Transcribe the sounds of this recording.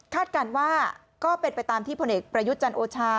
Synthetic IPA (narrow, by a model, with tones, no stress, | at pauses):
kʰaː˥˩t̪̚kaː˧nwaː˥˩ | kɔː˥˩pe˧npa˧jt̪aː˧mt̪ʰiː˥˩pʰo˧nʔeː˨˩k̚pɾa˧ju˦˥t̪̚t͡ɕa˧nʔoː˧t͡ɕʰaː˧